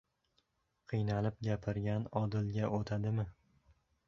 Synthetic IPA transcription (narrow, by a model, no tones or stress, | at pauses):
qʰɨjnalɪp̚ɡʲapʰɪɾɡʲanɒd̪ɪlɡʲaʔot̪ʰad̪ɪmɪ